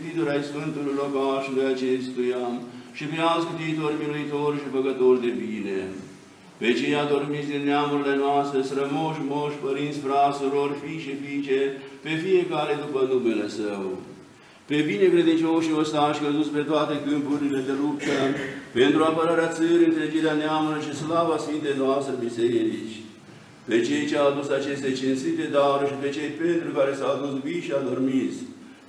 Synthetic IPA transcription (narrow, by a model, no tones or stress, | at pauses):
t̪it̪oɾaiskɐnt̪uɾɾokaːʃd̪ɐjɐt͡ʃʰest̪ujaːmʃipijãːskit̪iːt̪oːɾmiɾoit̪ʰoːɾʃipɐɡɐt̪oːɾd̪ebiːnḛ | pet͡ʃʰijãːt̪oɾmisd̪injaːmɐɾlenʋaːst̪esɐɾɐmoːʃmoːʃpɐɾĩːnsfɾaːsɐɾoːɾfiːʃepiːt͡ʃʰepefiekaːled̪upɐnd̪ubelɐsɐo̰ | pebinekɾed̪int͡ʃoʃiost̪anʃkəzut̪spet̪oat̪ekɨmpuɾiled̪elup̚t̪əpent̪ɾuapəɾaɾeat̪səɾʲɨnt̪ɾed͡ʒeɾeaneamuloʃislavasfint̪ejnoast̪ɾebiseɾieɾit͡ʃ | pet͡ʃejt͡ʃeawd̪usat͡ʃest̪et͡ʃinsit̪ed̪aɾʃipet͡ʃejpent̪ɾukaɾesaad̪usviʃiad̪əɾmis